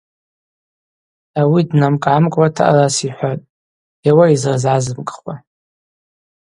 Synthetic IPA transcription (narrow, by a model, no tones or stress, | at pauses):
awidnamkʼʕamkʼwatʰa̰ʔa̰rasiħʷatʼ | ewaizrzʕazɨmkʼχwa